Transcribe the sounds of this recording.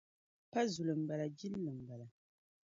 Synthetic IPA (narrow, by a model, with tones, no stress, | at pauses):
pa˦zu˨lɨ˨m̩˨ba˨la˨d͡ʒi˦llɨ˨m̩˨ba˨la˨